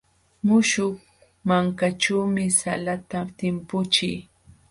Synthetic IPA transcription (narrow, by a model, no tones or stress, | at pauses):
mʊʃʊh | maŋkaʈ͡ʂuwmɪsa̰lat̪at̪ɪmpʊt͡ʃɪj